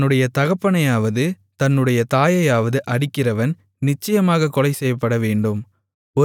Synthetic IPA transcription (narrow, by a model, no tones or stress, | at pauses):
nːɯɽɐjɐt̪ɐɣɐpːɐɳɐjaːʋɐðɯ | t̪ɐnːɯɽɐjɐt̪aːjɐjaːʋɐðɯʔɐɽɪkːɪrɐʋɐn | nɪt͡ʃːɐjɐmaːɣɐkɔlɐɪsɛjːɐpːɐɽɐʋeːɳɖɯm | ɔ